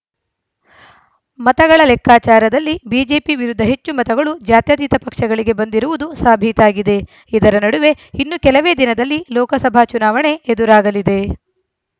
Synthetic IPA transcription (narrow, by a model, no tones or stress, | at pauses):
mɐt̪ɐɡɐɭɐlɛkʰːaːt͡ʃaːɾɐd̪ɐlːibiːd͡ʒe̞ːpiʋiɾud̪ʱːɐɦe̞t͡ʃːumɐt̪ɐɡɐɭud͡ʒaːt̪jɐd̪iːt̪ɐpɐkʂɐɡɐɭiɡe̞bɐnd̪iɾuʋud̪usaːbʱit̪aːɡid̪e̞ | id̪ɐɾɐnɐɽuʋe̞ | inːukɛlɐʋe̞ːd̪inɐd̪ɐlːilɔːkɐsɐbʱaːt͡ʃunaːʋɐɳe̞ed̪uɾaːɡɐlid̪e̞